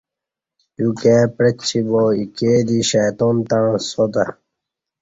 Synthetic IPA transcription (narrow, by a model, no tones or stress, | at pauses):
jukepɾet͡ɕt͡ɕʰːiboːikeːd̪iɕajt̪oːnt̪ãsot̪a